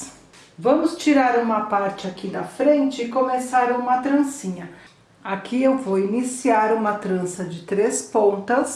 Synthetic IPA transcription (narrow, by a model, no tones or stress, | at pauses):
vɐ̃mʊst͡ʃiɾaɾũmɐpaɾt͡ʃɪakid̪ɐfɾẽnt͡ʃɪkomesaɾũmɐt̪ɾɐ̃sĩɲɐ | akʰiewvowinisiaɾũmɐt̪ɾɐ̃sɐd͡ʒɪt̪ɾespõnt̪ɐs